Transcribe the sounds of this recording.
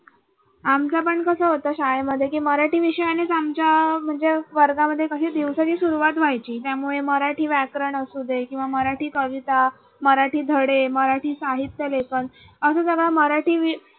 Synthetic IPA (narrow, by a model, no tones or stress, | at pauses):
amt͡sapəɳkəsəːɦot̪əːɕajməd̪ʱːjekiːməɾaʈiːʋiɕəjanet͡samt͡ɕjam̤əɳd͡zeʋəɾɡaməd̪ʱːjekəɕiːd̪iʋsət͡ɕiːsuɾuʋat̪ʋajt͡ɕiːt̪jamuɭeməɾaʈiːʋækɾəɳəsud̪ʱekĩw̃ʋaməɾaʈiːkəʋit̪a | məɾaʈiːd̪ʱəɽeməɾaʈiːsaɦit̪jəlekəɳ | əsəːd͡zəɡaməɾaʈiːʋi